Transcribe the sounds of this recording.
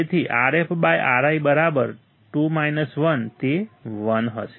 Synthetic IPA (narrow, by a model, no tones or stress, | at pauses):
et̪ʰiʔaɾepbajʔaɾaibəɾabəɾ | ʈumainəsʋənt̪eʋənɦə̰ʃe̥